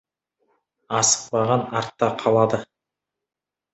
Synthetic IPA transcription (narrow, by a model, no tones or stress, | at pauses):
ɑsə̥q̚pɑʁɑnɑɾt̪ːɑqʰɑlˠɑd̪ə